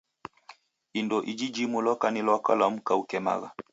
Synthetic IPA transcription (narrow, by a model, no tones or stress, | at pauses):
indɔʔid͡ʒid͡ʒimulɔkanilɔka̰lam̩kaukɛma̰ɣa